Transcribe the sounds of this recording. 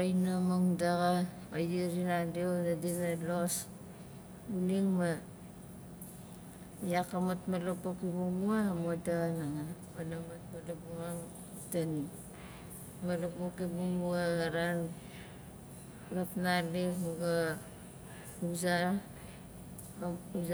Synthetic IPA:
ajnamoŋdaɣa | ajiɾinadionadinalos | uniŋma | jakamatmalopokibuŋuamodaanaŋapanamatmalopuaŋ | tan | malopokibuŋuaaɾan | lapnalikmuɡa | uza | u

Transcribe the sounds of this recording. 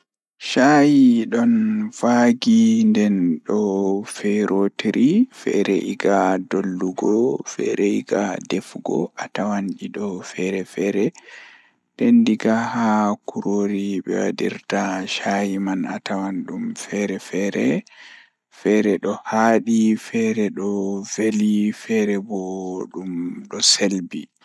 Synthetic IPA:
ʃajiɗɔnvaːɡindɛnɗɔfɛɾʔotiɾifɛ̰ɾɛʔiɡadolːuɡɔfɛ̰ɾɛiɡadɛfɡɔ̰ʔatawanɗiɗɔfɛɾɛfɛɾɛ | d̥ɛndiɡahakuɾoːɾiɓɛ̰wa̰dḭɾtaʃajimanatawanɗumfɛɾɛfɛɾɛ | fɛɾɛɗɔhaːɗifɛɾɛɗɔvelifɛɾɛboɗumɗɔselbi

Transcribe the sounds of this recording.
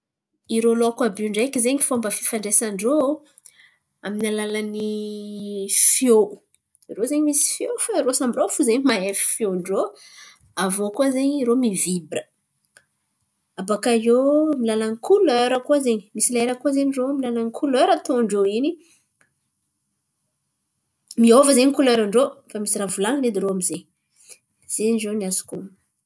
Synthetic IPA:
iɾolokabuɳɖ͡ʐajkizeɲifombəfifaɳɖ͡ʐesaɳɖ͡ʐo | aminalalani | fjou | iɾozeɲimisi̥fjofaiɾosambiɾofuzeɲmaefi̥fjoɳɖ͡ʐo | avokuazeɲiɾomivibɾə | abakajomilalaŋikʰuløɾəkuazeɲimisilaeɾəkuazeɲiromilalaŋikʰuløɾət̪oɳɖ͡ʐoini | miovəzeɲikuløɾaɳɖ͡ʐofamisiravulaŋned̪iɾoamizeɲi | z̥eɲiɖ͡ʐoniasu̥kum

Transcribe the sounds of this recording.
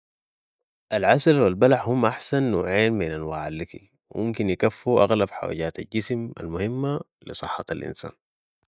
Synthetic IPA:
ʔalʕasalwilbalaħhumːʔaħsanːoːʕiːanminʔanwaːʕalːiki | wḭmumkinjikafːuʔa̰ɣlabħa̰wa̰ːɟaːt̪alɟisma̰lmʊhimːa | lisˤɨħːɑalʔḭnsa̰ːn

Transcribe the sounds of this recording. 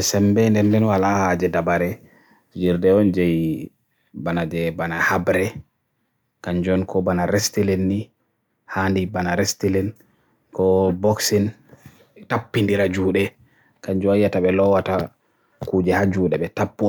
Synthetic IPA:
sɛmbɛndɛndɛnwalahad͡ʒɛdabaɾɛ | d͡ʒiɾdɛɔnd͡ʒɛj | banad͡ʒɛbanahabɾɛ | kaɲd͡ʒɔnkʰɔbanaɾestilɛnːi | handibanaɾestilɛn | kɔboksin | tapːindiɾad͡ʒuːɗɛ | kaɲd͡ʒɔajːataɓɛlɔwata | kuːd͡ʒɛhad͡ʒuːɗɛbɛtapːɔ

